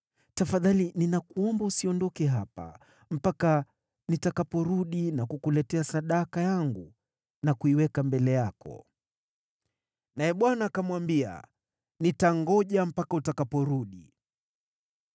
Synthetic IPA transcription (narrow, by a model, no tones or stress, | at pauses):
tafaðalininakuɔmbausiɔndɔkɛɦapa̰ | m̩paka | nitakapɔɾuɗinakukulɛtɛasaɗakajaŋɡu | nakuiwɛkambɛlɛjakɔ̰ | najɛɓwanaːkamwambia̰ | nitaŋɡɔʄam̩pakautakapɔɾuɗi